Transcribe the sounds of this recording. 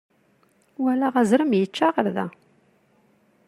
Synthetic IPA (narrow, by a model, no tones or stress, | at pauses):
wælaʁæzɾəmjət͡ʃːaʁəɾðæ̰